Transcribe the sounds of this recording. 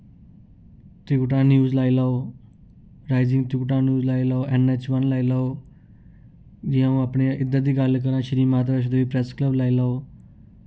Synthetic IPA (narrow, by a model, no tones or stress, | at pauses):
t̪ɪuʈ̬ãːnjuːzlaːilaːoː | ɾaːɪzɪ̃ŋɡt̪uʈ̬aːnjuːzlaːilaːoːʔɛneːt͡ʃʋənlaːilaːoː | d͡ʒɪãːũapɳeʔɪd̪ət̪iːɡalk̬əɾãʃəɾiːmaːt̪̬bəʃ̬d̪eiːpɾɛskləblaːilaːoː